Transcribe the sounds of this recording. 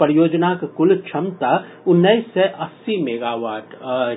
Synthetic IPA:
pɾjoːd͡ʒnakkʊlt͡ʃʰɐmt̪a | ʊnːəisːɛʔɐsːimeːɡaːʋaːʈ

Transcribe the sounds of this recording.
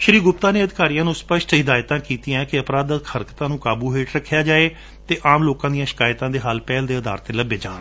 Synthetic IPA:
ʃəɾiːɡʊp̚t̪aːneːəd̪ɪkaːɾijãːnũːspəʃʈɪd̪aːjt̪ãːkiːt̪iːãːkɪəpɾaːd̪əxʰəɾkt̪ãːnũːkaːbuːɦeːʈɾəkʰːjaːd͡ʒaːeː | t̪eːʔaːmloːkãːd̪ijãːʃɪ̥kaːjt̪ãːd̪eːɦaːlpɛːld̪eːəd̪a̰ːɾt̪eləbeːd͡ʒaːn

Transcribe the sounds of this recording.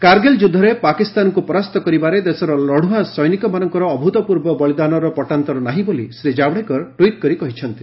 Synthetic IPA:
kaɾɡeld͡ʒud̪ʱːɔɾepakist̪ankupɔɾast̪ɔkɔɾibaɾed̪esɔɾɔlɔɽ̤uɦasɔjnikɔmanɔŋkɔɾɔːbʱut̪ɔpuɾbɔbɔlid̪anɔɾɔpɔʈant̪ɔɾɔnaɦĩbolḭsɾed͡ʒabɽekɔʈwiʈ̚kɔɾikɔɦit͡ʃʰɔnt̪i

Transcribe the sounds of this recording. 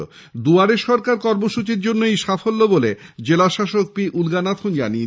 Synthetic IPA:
o̰ | d̪uaɾeʃɔɾkaɾkɔɾmoʃut͡ɕiɾd͡ʑonːoejʃafolːoboled͡ʑelaʃaʃok̚piʔulɡanat̪ʰond͡ʑa̰nie

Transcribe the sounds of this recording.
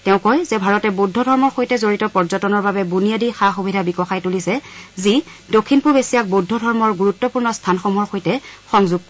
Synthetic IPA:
tɛʊ̃kɔjzɛbʱaɹɔtɛbodʱːɔdʱɔɹmɔɹxojtɛzoɹitɔpɔɹzɔtɔnɔɹbabɛbuniadixaxubʱidʱabikɔxajtulisɛzi | dokʰːinpuɹbesijak̚bodʱːɔdʱɔɹmɔɹɡuɹutːɔpuɹnɔstʰanxɔmɔɹxojtɛxɔŋzuɡ̚kɔ

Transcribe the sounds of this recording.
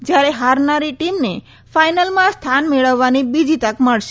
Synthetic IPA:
d͡ʒjaɾeɦaɾnaɾiʈimne | fajnəlmãst̪ʰanmeɭəʋːanibid͡ʒit̪əkməɭʃe

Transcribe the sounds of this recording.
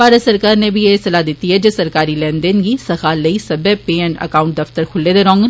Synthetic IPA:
paːɾət̪səɾkaːɾneːbieːsəlaːd̪ɪt̪ːiːɦɛːd͡ʒesəɾkaːɾiːlɛ̃ːnd̪eːnɡiːsəxaːləiːsəbɛːpeːɛɳʈə̰kaːʊɳʈ̚d̪əft̪əɾkʰʊlːeːd̪eɾɔ̃ːŋɡ

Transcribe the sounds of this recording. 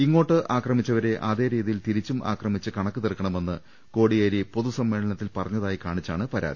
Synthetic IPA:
iŋːo̞ːʈːɨʔaːkrɐmit͡ɕːɐʋɐɾe̞ʔaːðe̞ːɾiːðijilt̪iɾit͡ɕːumʔa̰ːkrɐmit͡ɕːɨkɐɳɐkːɨt̪irkːɐɳɐme̞nːɨ | ko̞ːɽijeːɾipo̞ðusɐmːe̞ːɭɐɳɐt̪ːilpɐrɐɲːɐðaːjikaːɳit͡ɕːaːɳɨpɐɾa̰ːd̪i

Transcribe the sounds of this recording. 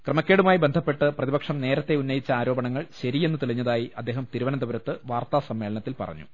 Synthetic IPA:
krɐmɐkʲːe̞ːɽumaːjibend̪ʱɐpːe̞ʈːɨprɐðibɐkʂɐmne̞ːɾɐt̪ːe̞unːɐjit͡ɕːɐaːɾo̞ːbɐɳɐŋːɐɭɕɐɾije̞nːɨt̪iɭiɲːɐðaːjiʔɐd̪ːe̞ːɦɐmt̪iɾuʋɐnɐd̪ɐʋɐɾɐt̪ːɨʋaːrt̪aːsɐmːe̞ːɭɐɳɐt̪ːilpɐ̰rɐ̰ɲːṵ

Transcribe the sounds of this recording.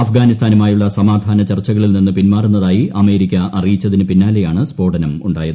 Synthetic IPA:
ɐfɡaːnist̪ʰaːnumaːjuɭːɐsɐmaːd̪ʱaːnɐt͡ɕɐrt͡ɕːɐɣɐɭilninːɨpinmaːrunːɐðaːjiɐme̞ːɾikʲːɐʔɐrijit͡ɕːɐðinɨpinːaːle̞jaːɳɨspo̞ːɖɐnɐmuɳɖaːjɐðɨ

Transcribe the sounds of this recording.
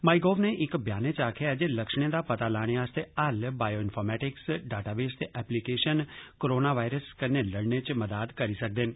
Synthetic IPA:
maːiɡoːʋneːʔɪkbjaːnet͡ʃaːkʰejad͡ʒeːləkʃɽ̃ed̪aːpət̪aːlaːɽ̃eaːst̪eəlbaːjoːɪnpʰoːɾmɛːʈɪksɖaːʈaːʋeːst̪eʔɛːplikeːʃənkoɾoːnaːʋaːɪɾəskəneləɽnet͡ʃməd̪aːd̪kəɾiːsək̚d̪ɪn

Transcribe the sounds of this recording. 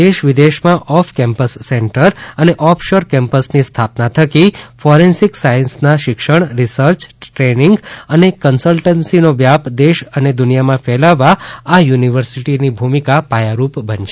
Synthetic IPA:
d̪eʃʋid̪eʃmãʔɔfʰkɛ̃mpəsːɛɳʈəɾəneʔɔfʰʃoɾkɛ̃mpəsnist̪ʰapnat̪ʰəkifɔɾensiksajənsnaʃɪkʃəɳ̃ɾisəɾt͡ʃʈɾeniŋɡənekənsəlʈənsinoʋjapd̪eʃəned̪ʊnijamãfʰɛlaʋaajuniʋəɾsiʈinibʱumikapajaɾupbənʃe

